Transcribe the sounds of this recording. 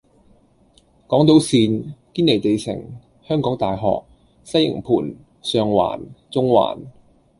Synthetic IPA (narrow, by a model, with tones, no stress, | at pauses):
kɔː˨˥ŋt̪̬o˨˥wsiː˧nkiː˥nle˨˩jt̪e˨jsʰɪ̰˨˩ŋ | hœː˥ŋkɔː˨˥ŋt̪aː˨jɦɔ̰ː˨k̚ | sɐ˥jɪ̰˨˩ŋpʰuː˨˩n | sœː˧ŋwa̰ː˨˩nt͡sʊ˥ŋwa̰ː˨˩n